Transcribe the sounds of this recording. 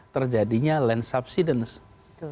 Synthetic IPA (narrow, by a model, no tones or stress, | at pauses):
t̪ərd͡ʒadiɲalɛnsap̚sidəns